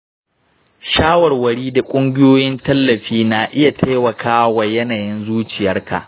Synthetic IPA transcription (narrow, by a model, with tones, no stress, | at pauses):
ʃaː˦wɐ˨rwɐ˨ɽiː˦da˨kʷʼʊ˦ŋɡʲɪ˦joː˦jɪ˦ntɐ˦lːɐ˨ɸiː˦na˨ʔɪ˦ja˨tʰa˦jwɐ˨kʰaː˦wɐ˨jːɐ˦naː˨jɪ˦nzuː˦t͡ʃɪ˨jɐ˦rkʰa̰˨ʔ